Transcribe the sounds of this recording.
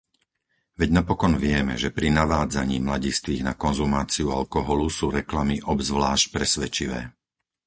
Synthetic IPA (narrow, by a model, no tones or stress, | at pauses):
ʋɛɟnapɔkɔnʋɪɛmɛ̰ʒɛpɾinaʋaːd͡za̰ɲiːmlaɟist̪ʋiːɣnakɔnzumaːt͡siualkɔɦɔlusuːɾɛklamiʔɔbzʋlaːʃc̚pɾɛsʋɛt͡ʃiʋɛ̰ː